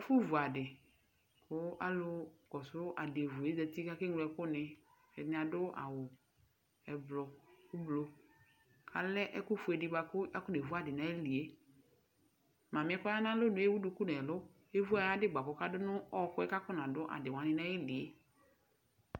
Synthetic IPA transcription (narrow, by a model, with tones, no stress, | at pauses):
ɛ˦fʊ˦vu˨a˨dɪ˨ | kʰʊ˦a̰˦lʊ˦kɔ˨sʊ˦ʔa˨de˨vu˨e˦zɛ˨ti˦ka˦kɪ˦ŋlʊ˦ɛ˦kʊ˦nɪ˨ | ɛ˨nɪ̃˨a˨dʊ˦a̰˨wʊ˨ | ɛ˨blɔ˨kʊ˦blo˦ | kʰa̰˨lɛ˦ʔɛ˦kʊ˦fʊ˨˦ɛ˨dɪ˨ɡ͡ba˨kʊ˦a˦kʊ˦ne˨vu˦a˨dɪ˨nã˨˦e˦li˨e˦ | mã˨mɪ˨ɛ˦kɔ˦ja˦nã˦lʊ˦nʊ̃˨˦e˦wu˦dʊ˨˦ku˦nɛ˨lʊ˦ | e˦vu˦a˨ja˦dɪ˦ɡ͡ba˨kɔ˨ka˦dʊ˦nʊ̃˦ɔ˦kʊ˦ɛ˦ka˦kʊ˦nã˨dʊ˦ʔa̰˨dɪ˨wã˨nɪ˦nã˦e˦li˨e˦